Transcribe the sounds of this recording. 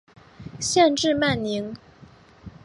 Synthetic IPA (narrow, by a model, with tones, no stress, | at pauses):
ɕjɛ˥˧nʈ͡ʂɻ̩˥˧ma˥˩nni˧˥ŋ